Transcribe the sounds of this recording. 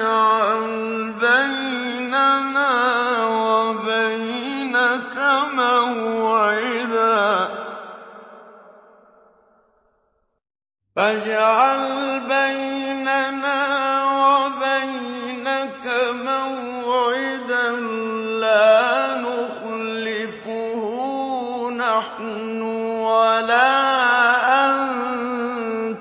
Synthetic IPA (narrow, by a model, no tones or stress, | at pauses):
ʕal | baj | nanaːwabajnakamawʕɪd̪aː | fad͡ʒʕalbajnanaːwabajnakama | aʕɪd̪anlaːnʊxlːɪf | ʊhʊnaħ | nnʊwalaːʔan